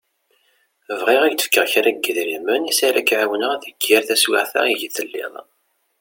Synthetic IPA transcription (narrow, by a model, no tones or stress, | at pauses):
əvʁiʁæɡt̪ə̥fkːəʁçaɾæɡːəðɾimːənisaɾækʕawənəʁθəɡæɾθæswɪ̰ʕθæ̰iʝθəlːɪ̰ðˤ